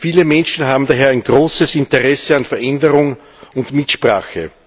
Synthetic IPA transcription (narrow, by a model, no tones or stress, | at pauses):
fiːləmɛnʃn̩ɦaːbm̩daːɦeːɐæɪnɡ̥ʁoːsəsɪntəʁɛsəanfɛɐʔɛndəʁʊŋ | ʊntmɪtʃpʁa̰ːxə̰